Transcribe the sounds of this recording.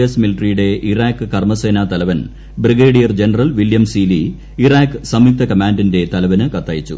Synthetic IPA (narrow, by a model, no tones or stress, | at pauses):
ɐsmiliʈrijuɽe̞ʔiraːkːɨkɐrmɐseːnaːt̪ɐlɐʋɐn | briɡeːɽijɐrd͡ʑenɐrɐlʋiljɐmsiːli | iraːkːɨsɐmik̚t̪ɐkɐmaːndinde̞t̪ɐlɐʋɐnɨkɐt̪ːaːjit͡ɕːṵ